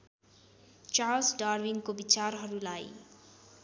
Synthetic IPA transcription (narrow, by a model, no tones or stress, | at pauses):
t͡ʃalsɖarwiŋkobit͡sarɦʌɾulaj